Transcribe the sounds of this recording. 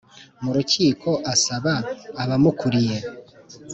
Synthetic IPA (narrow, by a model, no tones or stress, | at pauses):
muɾuciːkʰo̞ʔasaβaːβamukuɾije